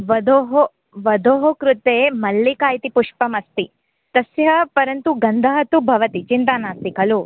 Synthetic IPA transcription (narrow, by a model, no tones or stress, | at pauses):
ʋɐd̪oːɦo | ʋɐd̪oːɦokɾut̪eːmɐlːikaːjt̪ipuʂpɐmɐst̪i | t̪ɐsjɐpɐɾɐnt̪uɡɐnd̪ʱɐɦɐt̪ubʱɐʋɐt̪it͡ʃint̪aːnaːst̪ikɐlu